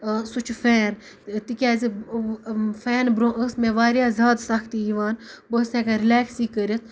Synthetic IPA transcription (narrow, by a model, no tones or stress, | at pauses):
sut͡ʃʰfɛːn | t̪ikʲaːzi | fɛːnbɾõːʔəsmẽːʋaːɾjaːzʲaːd̪sɐkʰt̪ijiʋaːnbəsẽːkaɾileːksiːkəɾit̪̚ʰ